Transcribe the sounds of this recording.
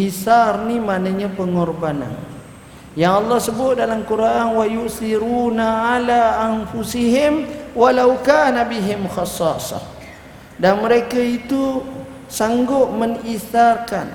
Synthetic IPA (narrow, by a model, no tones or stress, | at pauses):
ʔiθarnimanaɲapəŋɔrbana̰n | jaŋɑlˠːɑhsəbʊt̪̚dalamkuɾʔʔanwajuʔsiɾuːnaalaʔanfusiɦɪmwalawkaːnabiɦɪmxɑsɑːsɑ̰ | danməɾekait̪u | saŋɡʊʔməŋiθarkan